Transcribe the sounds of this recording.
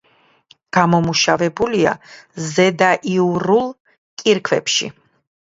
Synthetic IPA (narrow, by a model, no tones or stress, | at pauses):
ɡ̥amɔmuʃavɛbulia̰zɛd̪aʔiuɾulˠ | kʼiɾkʰvɛpʃḭ